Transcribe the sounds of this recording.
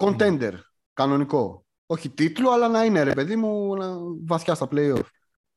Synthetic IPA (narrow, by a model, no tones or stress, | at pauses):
ko̞nt̪e̞nd̪e̞ɾ | kɐno̞niko̞ | o̞çit̪it̪luɐlɐnɐine̞ɾepe̞ðimunɐvɐθçɐst̪ɐple̞io̞f